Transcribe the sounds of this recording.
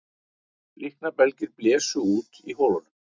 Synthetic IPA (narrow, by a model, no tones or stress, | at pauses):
lʔihknapɛlcɪɾplɛːsʏuːt̪iɦoːwlanʏm